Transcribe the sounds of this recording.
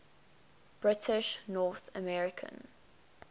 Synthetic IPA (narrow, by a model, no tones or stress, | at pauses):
b̥ɹɪtʰɪʃnɔːθə̰mɛɹɪkʰə̰̃n